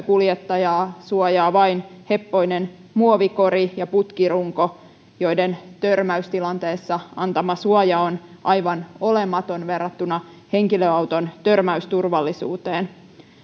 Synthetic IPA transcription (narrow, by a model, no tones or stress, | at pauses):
kuljet̪ːɑjɑːsuojɑːʋɑinhe̞pːo̞inen | muoʋiko̞ɾijɑput̪kiruŋko̞ | jo̞ident̪ørmæyst̪ilɑnt̪e̞ːsːɑɑnt̪ɑmɑsuojɑonʔɑjʋɑno̞lemːˑɑt̪o̞nʋe̞rːɑt̪ːunɑ | he̞ŋkiløɑwt̪o̞nt̪ørmæyst̪urʋɑlːisṵːt̪eːn